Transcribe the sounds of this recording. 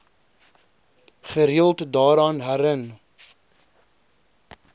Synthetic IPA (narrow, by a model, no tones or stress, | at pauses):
χəɾiəlˠtdɑːɾɑːnɦæɾən